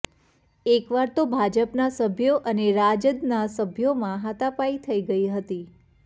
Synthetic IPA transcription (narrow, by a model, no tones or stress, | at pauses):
ekʋaɾt̪obʱad͡ʒəpnasəbʱjoʔəneɾad͡ʒəd̪nasəbʱjomãɦat̪apait̪ʰəiɡəiɦət̪i